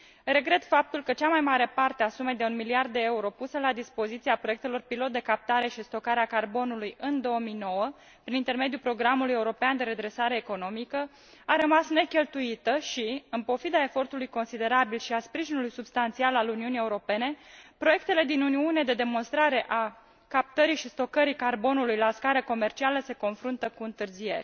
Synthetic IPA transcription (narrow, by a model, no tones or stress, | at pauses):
re̞ɡɾe̞t̪fap̚t̪ulkət͡ʃamajmaɾe̞part̪easume̞jd̪e̞unmiliard̪ːe̞euɾo̞pusəlad̪ispo̞zit̪siapɾoje̞k̚t̪e̞lo̞rpilo̞t̪̚d̪e̞kap̚t̪aɾe̞ʃist̪o̞kaɾeakarbo̞nulujɨnd̪o̞omijno̞wə | pɾinint̪e̞rme̞d̪jupɾo̞ɡɾamuluje̞uɾo̞peand̪e̞ɾe̞d̪ɾe̞saɾe̞ːko̞no̞mikə | aɾəmasne̞kʲe̞lt̪uit̪əʃiɨnpo̞fid̪ae̞fo̞rt̪ulujko̞nsid̪e̞ɾabilʃiaspɾiʒinulujsubst̪ant̪sialaluniunie̞uɾo̞pe̞ne̞pɾo̞je̞k̚t̪e̞le̞d̪inuniune̞d̪e̞d̪e̞mo̞nst̪ɾaɾe̞ʔa | kap̚t̪əɾiʃist̪o̞kəɾikarbo̞nulujlaskaɾəko̞me̞rt͡ʃialəse̞ko̞nfɾunt̪əkuɨnt̪ɨrzije̞̰rʲ